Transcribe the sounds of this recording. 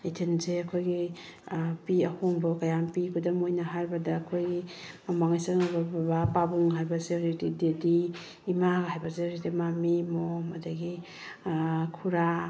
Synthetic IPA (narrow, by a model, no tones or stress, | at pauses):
itʰinzeɐkʰojɡi | piahoŋbɔkajampikʰudɐmojnaɦaɾbɐdaːkʰojɡimamaŋajsaŋababapabuŋɦajbaseozitidediː | maɡɦajbaseɔzitimamimomadaɡi | kʰuɾa